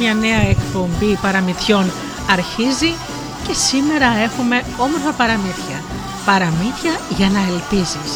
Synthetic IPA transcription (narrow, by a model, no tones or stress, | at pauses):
ɲɐne̞ɐekpo̞mbipɐɾɐmiθço̞n | ɐɾçizi | ce̞sime̞ɾɐe̞xume̞ | o̞moɾfɐpɐɾɐmiθçɐ | pɐɾɐmiθçɐʝɐnɐe̞lpizis